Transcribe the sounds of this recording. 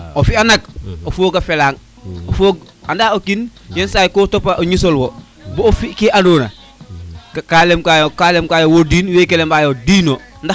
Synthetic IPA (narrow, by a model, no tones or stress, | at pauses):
ofianak̚ofoːkafelaːŋ | ofoɡ̚ | andaːokinjensajkoːtopaʔoɲisolwo | boofikeʔaɾoːna̰ | kalemkajokalemkajowodiːnwekelemajodiːnonda